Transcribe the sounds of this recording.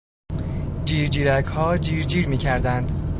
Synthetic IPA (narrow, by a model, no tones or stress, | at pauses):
d͡ʒiːɾd͡ʒiːɾæɡhɒːd͡ʒiːɾd͡ʒiːɾmiːcʰæɾd̪ænd̪